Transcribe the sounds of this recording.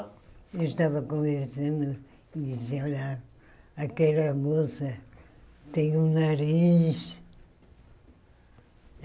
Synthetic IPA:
ewʃt̪avɐkõveɾsɐ̃nd̪u | id̪iziɐɔla | ɐkɛlɐmosɐ | t̪ẽj̃ũnaɾiʃ

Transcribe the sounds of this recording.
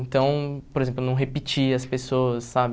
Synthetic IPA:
ẽt̪ɐ̃w̃poɾezẽmplʊnɐ̃w̃ɦepit͡ʃiɐspesoɐsːabɪ

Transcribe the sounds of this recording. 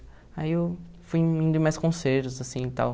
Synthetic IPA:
aiew | fujĩnd̪ʊɪ̃majskõseɾt̪ʊzasĩt̪a̰w

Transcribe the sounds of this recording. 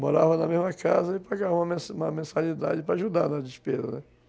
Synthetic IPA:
moɾavɐ̃nɐmezmɐkazɐɪpaɡavɐũmɐmsũmɐmẽsalid̪ad͡ʒɪpɾɐaʒud̪aɾnɐd͡ʒɪʃpezɐ̰nɛ

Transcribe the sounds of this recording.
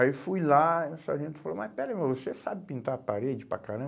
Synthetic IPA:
efujlausaʒẽnt̪ʊ̥falomajpɛɾlɐ̃mɐ̃vosesabɪpĩnt̪aɾpaɾed͡ʒɪpɾa̰kaɾɐ̃

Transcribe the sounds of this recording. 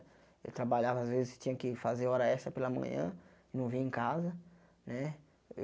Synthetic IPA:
ḛwt̪ɾabaʎavɐːzvezɪst͡ʃĩɲɐ̃kɪfazeɔɾɐɛst̪ɐpelɐmɐ̰̃ɲɐ̰̃ | ɪnɐ̃w̃vĩẽkazɐ | nɛ

